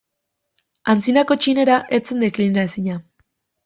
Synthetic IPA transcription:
ant͡sinako̞t͡ʃine̞ɾaʔe̞t͡se̞nd̪e̞klinaesiɲa

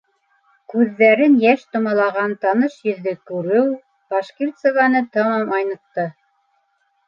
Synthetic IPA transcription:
kʉðːæɾɘnjæʃt̪ŏmɑlˠɑʁɑnt̪ɑnɤʃjɵ̆ðːɘkʉɾɘw | b̥ɑʃkirt̪səvɑnɤt̪ɤɴɑmɑjnɤ̆q̚t̪ɤ

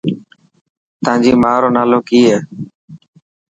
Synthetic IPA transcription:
t̪ãːd͡ʒiːmaːɾoːnaːloːkiːɦɛː

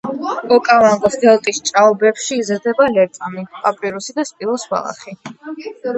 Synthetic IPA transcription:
ɔkʼamaŋɡʼɔsd̪ɛlˠt̪ʼist͡ʃʼaɔbɛpʃiːzɾd̪ɛbalɛɾt̪ʼamipʼapʼɾiɾusid̪aspʼilˠɔsva̰la̰χi

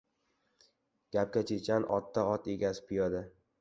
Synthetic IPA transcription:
ɡ̥ʲap̚kʲat͡ʃʰet͡ʃʰanʔɒ̰t̪ʰːaɒt̪eɡʲasɪ̥pʰɪjɒd̪a

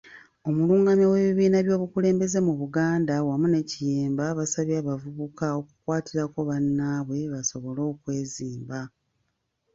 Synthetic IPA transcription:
o̞muluːŋɡamjowe̞βiβiːnaβjo̞ːβukule̞ːmbe̞ze̞muβuɡaːndawamune̞cijeːmbaβasaβjaːβavuβukao̞ku̥kwaːtiɾako̞βanːaːβwe̞βaso̞βo̞lo̞ːkwe̞ːziːmba

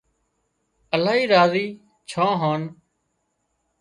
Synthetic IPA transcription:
əlaːɦiːɾaːziː | t͡ʃʰãːɦãːn

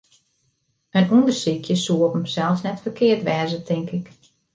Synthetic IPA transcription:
ənundərsikʰjəsuəpəmsɛlˠfsnɛtfəkɪərtʋɛːzətʰɪŋkɪk

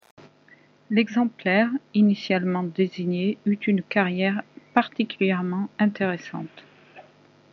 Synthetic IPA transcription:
lɛɡzɑ̃plɛʁinisjalmɑ̃d̪eziɲeyt̪ynkaʁjɛʁpaʁt̪ikʲyljɛʁmɑ̃ɛ̃t̪eʁesɑ̰̃t̪

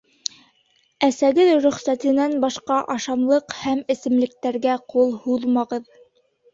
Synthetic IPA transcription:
æsæɡɘðɾɵ̆χsæt̪ɘ̆nænbɑʃqɑʔɑʃɑmlˠɤqhæmɘ̆sɘ̆mlɘ̆k̚t̪æɾɡæqulˠhuðmɑʁɤð

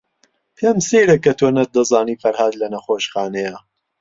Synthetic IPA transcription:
pʰemsejɾɐkːɐt̪ʰonɐt̪̚d̪ɐzaːniːfɐɾhaːd̪lɐnɐxoːʃxaːnɛjɐ

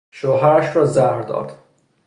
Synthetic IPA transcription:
ʃoːɦæɾæʃɾɒːzæhɾd̪ɒ̰ːd̪̥

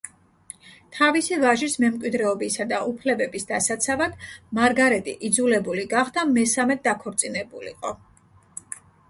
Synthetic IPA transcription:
t̪ʰavisivaʒismɛmkʼwid̪ɾɛɔbisad̪aʔupʰlɛbɛbisd̪asat̪sʰavad̪̥maɾɡaɾɛt̪ʼḭʔid̪zulɛbuliɡaχd̪̥amɛsamɛd̪akʰɔɾt̪sʼinɛbulḭqʼɔ

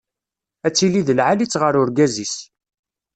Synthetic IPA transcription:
æt͡sːiliðəlʕalit͡sːʁəɾʊɾɡæzis

